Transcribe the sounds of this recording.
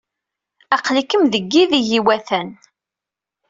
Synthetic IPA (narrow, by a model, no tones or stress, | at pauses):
æqlikːəmðəɡːiðijiwæθæn